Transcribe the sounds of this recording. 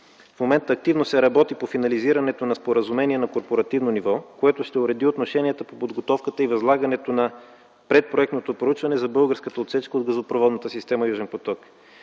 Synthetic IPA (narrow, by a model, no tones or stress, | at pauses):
fmomɛnt̪əːk̚t̪ivnosɛɾɐbɔt̪ipofinɐliziɾɐnɛt̪onɐspoɾəzumɛniɛnɐkoɾpoɾɐt̪ivnonivɔkoɛt̪ʊʃt̪ɛʊɾɛd̪iot̪noʃɛniɛt̪əpopod̪ɡot̪ɔfkət̪əivɐzlˠaɡɐnɛt̪onɐ | pɾɛt̪̚pɾoɛkt̪not̪opɾout͡ʃvɐnɛzɐbɤlˠɡəɾskət̪əot̪sɛt͡ʃkəod̪̚ɡɐzopɾovɔd̪nət̪əsist̪ɛməjuʒɛnpot̪ɔk